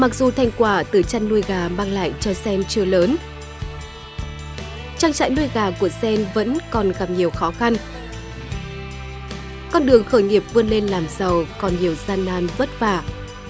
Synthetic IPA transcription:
ma˨˩k̚zu˨˩t̪ʰa˧jŋ̟kwaː˧˩t̪ɨ˨˩t͡ɕa˧jŋnu˧əjɣaː˨˩maː˧ŋla̰ː˧˨jt͡ɕɔ˧sɛ˧mt͡ɕɨ˧ələː˨˦n | t͡ɕaː˧ŋt͡ɕa̰ː˧˨jnu˧əjɣaː˨˩ku˧˩əsɛ˧nvə̰˧˥nkɔ˨˩nɣa˨˩p̚ɲi˨˩əwxɔ˨˦xa˧n | kɔ˧nɗɨ˨˩əŋxəː˧˩jŋi˨˩əp̚vɨ˧ənle˧nlaː˨˩mzə˨˩wkɔ˨˩nɲi˨˩əwzaː˧nːaː˧nvə˦˥t̚faː˧˩

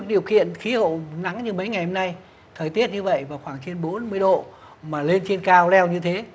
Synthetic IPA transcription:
ɗi˨˩əwkḭ˧˨ənxi˨˦hə̰˧˨wna˨˦ŋɲɨ˧mə˨˦jŋa˨˩jho˧mna˧j | t̪ʰəː˨˩jt̪i˦˥ət̚ɲɨ˧və̰˧˨jvaː˨˩wxwaː˧˩ŋt͡ɕe˧nɓo˨˦nmɨ˧əjɗo̰˧˨ | maː˨˩le˧nt͡ɕe˧nkaː˧wlɛ˧wɲɨ˧t̪ʰe˨˦

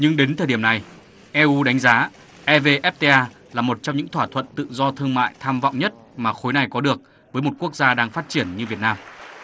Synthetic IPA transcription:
ɲɨ˧ŋɗe˨˦nt̪ʰəː˨˩jɗi˧˩əmna˨˩j | ʔɛ˧ʔu˧ɗa˨˦jŋ̟zaː˨˦ | ʔɛ˧ve˧ʔɛ˦˥p̚t̪e˧ʔaː˧ | laː˨˩mo˨˩t̚t͡ɕɔ˧wŋ͡mɲɨ̰˧˥ŋt̪ʰwaː˧˩t̪ʰwə̰˧˨nt̪ɨ̰˧˨zɔ˧t̪ʰɨ˧əŋma̰ː˧˨jt̪ʰaː˧mv̰wŋ͡mɲə˦˥t̚maː˨˩xo˨˦jna˨˩jkɔ˨˦ɗɨ˨˩ək̚ | vəː˨˦jmo˨˩t̚ku˦˥ək̚zaː˧ɗaː˧ŋfaː˦˥t̚t͡ɕi˧˩ənɲɨ˧vi˨˩ət̚naː˧m

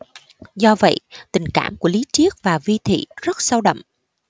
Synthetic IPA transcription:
zɔ˧və̰˧˨jt̪ï˨˩ŋ̟kaː˧˩mku˧˩əli˨˦t͡ɕi˦˥ək̚vaː˨˩vi˧t̪ʰḭ˧˨zə˦˥t̚sa˧wɗə̰˧˨ŋ͡mʔ

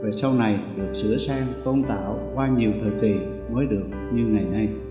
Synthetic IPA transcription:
veː˨˩sa˧wna˨˩jɗɨ˨˩ək̚sɨ̰˧˥əsɛ˧mt̪o˧nt̪a̰ː˧˩wkwaː˧ɲi˨˩əwt̪ʰəː˨˩jki˨˩ | məː˨˦jɗɨ˨˩ək̚ɲɨ˧ŋŋa˨˩jna˧j

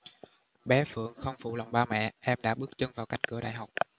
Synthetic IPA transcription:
ɓɛ˨˦fɨ̰˧˨əŋxə˧wŋ͡mfṵ˧˩lə˨˩wŋ͡mɓaː˧mɛ̰˧˨ʔɛ˧mɗa̰ː˧˥ɓɨ˦˥ək̚t͡ɕə˧nvaː˨˩wka˦˥jŋ̟̚kɨ˧˩əɗa̰ː˧˨jɦa˨˩wk͡p̚

